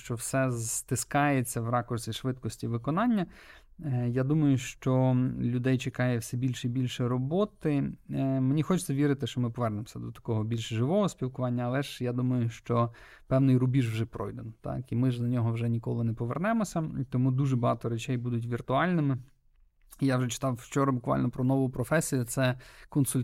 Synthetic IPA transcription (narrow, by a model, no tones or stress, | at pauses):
ʃt͡ʃɔwsɛzt̪ɪskɑjet͡sʲːɐwrɑkɔrsʲiʃʋɪt̪kɔsʲtʲiʋɪkɔnɑnʲːɐ | jad̪umɐjʊʃt͡ʃɔlʲʊd̪ɛjt͡ʃekɑjɛwsɛbʲilʲʃibʲilʲʃɛɾɔbɔt̪ɪmenʲixɔt͡ʃt͡s̪sʲɐʋʲiɾɪt̪ɪʃt͡ʃɔmɪpɔʋɛrnemɔsʲɐd̪ɔt̪ɐ̥kɔɦɔbʲilʲʃʒɪʋɔɦɔspʲilˠkʊʋɑnʲːɐɐlˠɛʒjad̪umɐjʊʃt͡ʃɔ | pɛwnɪjɾʊbʲiʒwʒɛpɾɔ̰jd̪ɛnt̪ɑ̰kimɪʒd̪ɐnʲɔɦɔwʒɛnʲikɔlˠɪnɛpɔʋernɛmɔsʲɐt̪ɔmud̪uʒɛbɐɦɑt̪ɔɾet͡ʃɛjbud̪ʊt̬ʲʋʲirt̪ʊɑlʲnɪmɪ | jawʒɛt͡ʃɪ̥t̪ɑwt͡ʃɔɾɐbʊkʋɑ̰lʲnɔpɾɔnɔʋʊpɾɔfɛsʲijʊt̪sɛkɔnsʊlʲ